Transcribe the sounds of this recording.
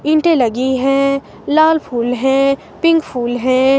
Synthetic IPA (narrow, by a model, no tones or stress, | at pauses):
ɪ̃ɳʈẽlɐɡiɦɛ̃ː | laːlpʰuːlɦɛ̃ː | pɪ̃ŋɡpʰuːlɦɛ̃